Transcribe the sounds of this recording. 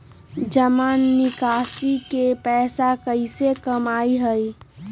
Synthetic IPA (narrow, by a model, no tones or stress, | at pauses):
d͡ʒəmaːnːɪkaːsikepɛːsakəisekəmaːiɦəi